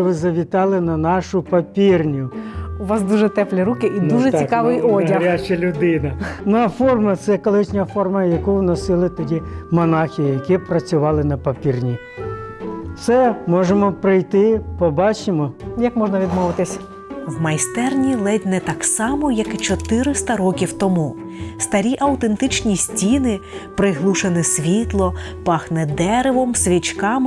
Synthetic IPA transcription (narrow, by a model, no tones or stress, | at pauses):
ʋɪzɐʋʲit̪ɑlˠɪnɐnɑʃʊpɐpʲirnʲʊʊʋɑsd̪uʒɛt̪ɛplʲɛɾukɪʔid̪uʒɛt̪t͡sʲikɑʋɪjɔdʲɐɾʲat͡ʃɐlʲʊd̪ɪnɐnʊɐfɔrmɐt̪sɛkɔlˠɪʃnʲɐfɔrmɐjɐkuwnɔsɪlˠɪt̪ɔdʲimɔnɑxʲijijɐkipɾɐt͡sʲʊʋɑlˠɪnɐpɐpʲirnʲi | sɛmɔʒemɔpɾɪjt̪ɪpɔbɑt͡ʃɪmɔjɐkmɔʒnɐʋʲid̪mɔʋɪt̪ɪsʲ | wmɐjst̪ɛrnʲilˠɛdʲnɛt̪ɑksɑmɔjɐkt͡ʃɔt̪ɪɾɪst̪ɐɾɔkʲiwt̪ɔmu | st̪ɐɾʲiʔɐwt̪ent̪ɪt͡ʃnʲisʲtʲinɪ | pɾɪɦlˠuʃenɪsʲʋʲit̪lˠɔ | pɑxnɛd̪ɛɾeʋɔmsʲʋʲit͡ʃkɑm